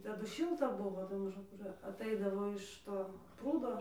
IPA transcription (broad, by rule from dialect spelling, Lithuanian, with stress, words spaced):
ˈtɑːdʊ ˈʃʲɪlˠtɐ ˈbʊʋoː tɐɪ mɐˈʒʊm ˈkʊr ɐtˈɐɪdɐʋoː ɪʃ ˈtoː ˈpruːdoː